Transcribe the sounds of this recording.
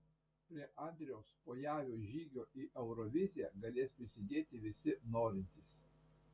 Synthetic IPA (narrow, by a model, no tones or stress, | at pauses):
pʲɾʲiɛʔɑˑnʲd̪ʲɾʲɪjoːspoːjæːʋʲuːʒʲiːɡʲoːʔiːʔɛʊɾɔʋʲɪzʲɪjæɡɐlʲeːspʲɾʲɪsʲɪd̪ʲeːt̪ʲɪʋʲɪsʲɪnoːɾʲɪnʲt̪ʲɪs